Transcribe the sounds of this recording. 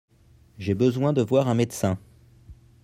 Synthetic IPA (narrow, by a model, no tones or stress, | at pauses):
ʒebəzwɛ̃d̪əvwaʁɛ̃mɛd̪sɛ̃